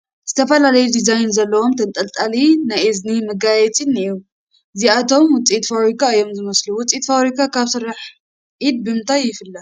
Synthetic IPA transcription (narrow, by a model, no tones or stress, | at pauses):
z̥ɨt̪ʰɐfɐlalɐjud̪izajnzɐlːɐwo̞mt̪ʰɐnt̪ʼɐlt̪ʼalinajiznimɨɡajɛt͡sʼiniju | ɨziat̪ʰo̞mwʊt͡sʼit̪faβɾikʰaɨjːo̞mzɨmɐsluwʊt͡sʼit̪faβɾikʰakʰaβsɨɾaħ | ʔid̪̚bɨmɨnt̪ʰajːɪfɨlːa